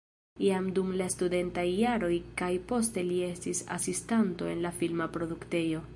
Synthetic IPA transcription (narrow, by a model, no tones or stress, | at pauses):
iamdumlastude̞ntajːaɾo̞jkajpo̞ste̞lie̞stisa̰sistanto̞e̞nlafilmapɾo̞dukte̞jo̞